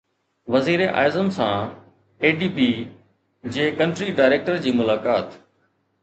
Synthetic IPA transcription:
ʋəziːɾeʔa̰ːzənsãː | eːɖiːpiː | d͡ʑeːkə̃ɳʈɾiːɖaːɪɾeːk̚ʈəɾd͡ʑiːmʊlaːkaːt̪

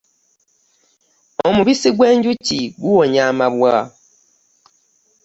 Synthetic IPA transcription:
omuβisiɡwend͡ʒut͡ʃiɡuwoɲamaβwaː

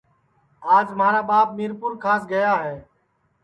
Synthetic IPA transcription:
aːd͡ʒmaːɾaːbaːp̚miːɾpʊɾkʰaːsɡəjaːɦeː

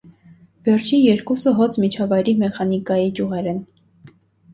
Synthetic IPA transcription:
vɛrt͡ʃʰinjɛɾkusəɦɔt͡sʰmit͡ʃʰɑvɑjɾimɛχɑnikɑjid͡ʒjuʁɛɾɛn

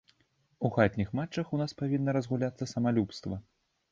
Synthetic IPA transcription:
uxat̪ʲnʲixmat͡ʂːɐxunaspavʲinːɐɾɐzɣulʲat̪sːɐsɐmalʲupst̪vɐ

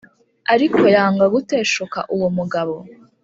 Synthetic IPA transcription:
aɾikoeɾaːŋɡaɡute̞ːʃoka̰ʔuwomuɡaβo̞

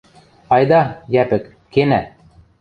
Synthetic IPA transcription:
ɑjd̪ɑjæpɘ̆kːenæ

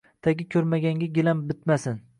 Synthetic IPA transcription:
d̪̥aɡʲɪkʲʰɵɾmaɡʲaŋɡʲaɡʲɪlambɪt̪masɪn

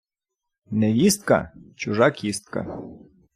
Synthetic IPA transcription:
nɛʋʲist̪̚ka̰t͡ʃʊʐakʲist̪̚ka̰

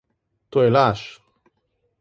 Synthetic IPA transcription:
t̪ojelaʃ

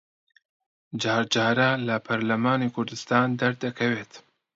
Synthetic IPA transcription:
d͡ʒɑːɾd͡ʒɑːɾɐlɐpʰɐɾlɐmaːnikʰʊɾd̪ɨst̪aːnd̪ɐɾd̪ɐkʰɐweːt̪

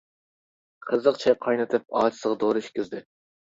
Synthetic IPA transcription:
qʰəzəqt͡ʃʰɛqʰɑjnɨt̪ʰɨp̚ɑːt͡ʃʰɪ̥səʁɑd̪oɾɨiʃʲkʲizd̪ɪ

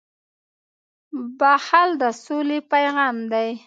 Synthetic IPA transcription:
bahald̪əsolepajɣɑmd̪aj

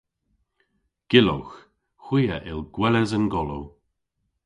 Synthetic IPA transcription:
ɡ̥ɪlo̰wx | xw̥iːəʔɪlɡ̥wɛləzənɡɔlow

